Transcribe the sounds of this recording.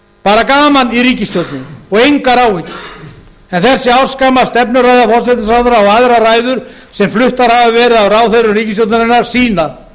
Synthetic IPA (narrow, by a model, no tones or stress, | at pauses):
paːɾakaːmaniɾiːcɪst̪jowt̪nɪɔɣejŋkaɾawicɪ | ɛnθɛsːɪawskamast̪ɛpnʏɾajðafɔrsɛt̪ɪsawðʏɾawaðɾaɾaːjðʏɾ̥ | sɛmflʏht̪aɾ̥havɪvɛːɾɪðavraːwθeɾʏmriːcɪst̪jowt̪nɪnɪnːaɾsiːna